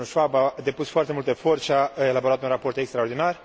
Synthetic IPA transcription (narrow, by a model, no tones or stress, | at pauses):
uʃabad̪e̞pusfoart̪e̞mult̪efo̞rʃaelabo̞ɾat̪unrapo̞rt̪e̞kst̪ɾaord̪inar